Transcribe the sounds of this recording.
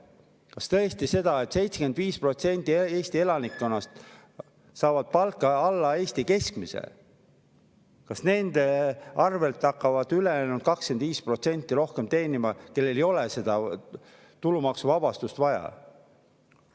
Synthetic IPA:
kɑst̪ɤ̞est̪ise̞d̪̥ɑe̞t̪ˑse̞jt̪seke̞nd̪viːspro̞t̪se̞nʲt̪ˑːieːst̪ie̞lɑnikːˑo̞nːɑst̪ | sɑːvɑd̪̥̚pɑlkːˑɑɑlːɑe̞ːsʲt̪ike̞skmisḛ | kɑsne̞nd̪̥eɑrve̞lt̪ːɑkːɑvɑd̪̥yleenuld̪̥kɑkske̞nd̪viːspro̞t̪se̞nʲt̪ːˑiɾo̞hke̞mt̪e̞ːnimɑke̞lːe̞lejo̞le̞se̞d̪̥ɑ | t̪ulumɑksuvɑb̥ɑst̪ust̪vɑjɑ̰

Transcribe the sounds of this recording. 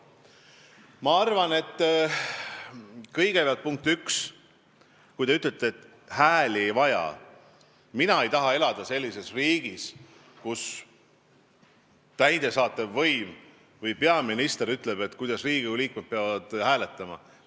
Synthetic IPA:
mɑɑrvɑne̞t̪ː | kɤjɡepɑlt̪̚puŋk̚t̪yks | kujd̪e̞yt̪ˑlet̪ːˑeːt̪ːˑ | hæːlʲiejvɑjɑ̰ | minɑe̞jt̪ɑɦɑe̞lɑd̪̥ɑse̞lʲːise̞sriːɡ̥is | kus | t̪æjd̪̥e̞sɑːt̪ːˑevːɤjm | vɤjpe̞ɑminist̪e̞ɾyt̪ːˑle̞be̞t̪ːkujd̪ɑsriːɡiuliːkmet̪̚peɑvɑd̪̥hæːle̞t̪ːˑɑmɑ̰

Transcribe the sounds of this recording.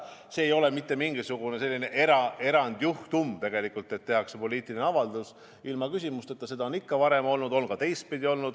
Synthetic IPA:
se̞ːjo̞le̞mit̪ːe̞miŋɡ̥isuɡ̥une̞se̞lːine̞ʔeɾɑe̞ɾɑnd̪̥juht̪umt̪e̞ɡ̥e̞likːˑult̪ːˑet̪ːe̞ɦɑkse̞po̞lʲiːt̪ːˑilineɑvɑld̪us | ilmɑkysʲimust̪e̞t̪ːˑɑse̞d̪ɑonikːɑvɑɾe̞mo̞lnud̪o̞lnɡɑt̪e̞jst̪̚pid̪io̞lnud̪̥

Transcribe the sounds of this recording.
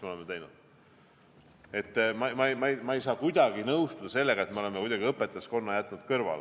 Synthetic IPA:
ismeo̞lemːet̪ejnud̪̥ | e̞t̪ːmɑmɑmɑjmɑe̞jsɑːkujd̪̥ɑɡ̥inɤwst̪ud̪̥ɑse̞lːeɡ̥ɑe̞t̪meolemekujd̪ɑɡ̥iɤpːˑet̪ːˑɑsko̞nːɑjæt̪ːˑnud̪̥kɤrvɑ̰l

